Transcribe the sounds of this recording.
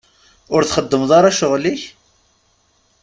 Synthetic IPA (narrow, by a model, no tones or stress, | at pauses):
ʊɾθχəd̪ːəmðˤɑɾˤɑʃʊʁliç